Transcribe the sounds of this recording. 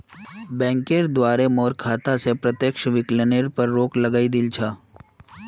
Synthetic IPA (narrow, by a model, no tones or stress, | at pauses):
bɛ̃ːŋkeɾd̪waːɾemɔːɾkʰaːt̪asepɾət̪jəkʃʋɪkləneɾpɐɾːoːklɐɡaːid̪ɪlt͡ʃʰaː